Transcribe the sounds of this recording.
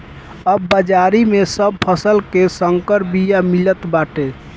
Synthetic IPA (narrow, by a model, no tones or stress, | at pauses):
əbːəd͡ʒaɾimesəb̚pʰəsəlkesəŋkəɾbijamilət̪baʈe